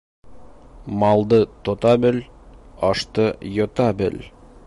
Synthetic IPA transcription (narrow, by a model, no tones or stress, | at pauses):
mɑlˠd̪ɤt̪ŏt̪ɑbɘlɒʃt̪ɤjɒt̪ɑbɘ̰l